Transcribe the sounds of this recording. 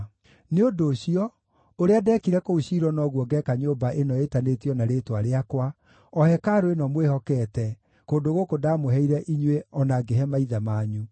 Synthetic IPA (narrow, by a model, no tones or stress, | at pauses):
neodoːɕiɔ | oɾeadɛkiɾɛkouɕiɾɔnɔɣwɔɡɛkaɲoːbaʔenɔetanetiɔnaɾeːtwaɾeakwa | ɔhɛkaɾoenɔmwehɔkɛːtɛ | koːndoɣokodamoɦɛiɾɛʔiɲweɔnaɡeɦɛmaiðamaːɲu